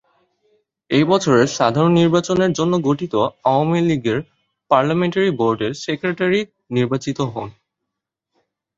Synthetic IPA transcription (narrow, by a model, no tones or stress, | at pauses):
ejbɔt͡ɕʰoɾeɾʃad̪ʱaɾonːiɾbat͡ɕoneɾd͡ʑonːoɡoʈʰit̪oaoamiliɡeɾ | paɾlameɳʈaɾiboɾɖeɾsekɾeʈaɾi | niɾbat͡ɕit̪oɦon